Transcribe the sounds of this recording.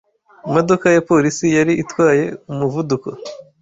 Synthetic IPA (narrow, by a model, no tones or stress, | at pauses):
imo̞do̞kajapo̞ɾisijaɾiʔitwaːje̞umuvuduko